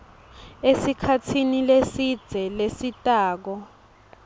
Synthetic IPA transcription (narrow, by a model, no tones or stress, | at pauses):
esikʰatʰinilesid̥d͡z̥ʱɛlesitʼaːk̬ɔ